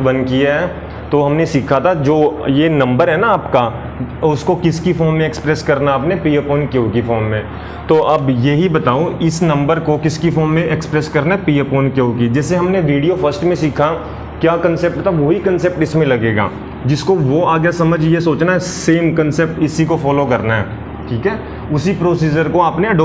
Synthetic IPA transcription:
bɐ̃nkijaɦɛː | t̪oɦɐmnesiːkʰat̪ʰad͡ʒoːjenɐ̃mbəɾɦɛnaaːpka | ʊskokɪskifoːɾmmẽːkspɾɛskɐɾnaaːpnepiːepoːnkjõːkifoːmːẽ | t̪oʔɐbjeɦibɐt̪aːoɪsnɐ̃mbəɾkokɪskifoːnmẽʔekspɾɛskɐɾnapiːepoːnkjõːkid͡ʒɛːseɦɐmneʋiːɖijofɐsʈmẽsiːkʰa | kjaːkɐ̃nseːp̚ʈt̪ʰaʋoɦikɐ̃nsep̚ʈɪsmẽlɐɡeːɡa̰ː | d͡ʒɪskoʋoaːɡjasɐməd͡ʒʱjesoːt͡ʃnaɦɛseːmkɐ̃nsep̚ʈɪsikofɔːlokɐɾnaɦɛ̰ː | ʈʰiːkɦɛː | ʊsipɾoːsiːd͡ʒəɾkoaːpneɐɖoː

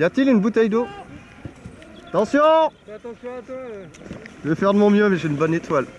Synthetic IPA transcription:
jat̪ilynbut̪ɛjd̪o | at̪ɑ̃sjɔ̃fat̪ɑ̃sjɔ̃ɛ̃pø | ʒəvefɛʁd̪əmɔ̃mjømɛʒeynbɔnet̪wal

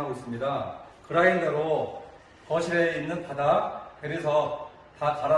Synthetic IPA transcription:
aɡois͈ɯmɲidakɯɾaindeɾo | kʌɕʰiɾeinːɯnpʰadateɾisʰʌ | takaɾa

